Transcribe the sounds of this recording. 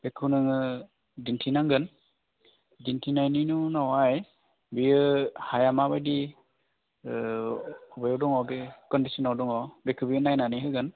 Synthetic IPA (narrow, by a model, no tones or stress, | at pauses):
bɛkʰunɯŋɯ | dintʰinaŋɡɯn | dintʰinajninunawaj | biɯhajamabajdi | ɔbajɔdɔŋɔbekɔndisɔnawdɔŋɔbekʰɯbiɯnajnaniɦɯɡɯn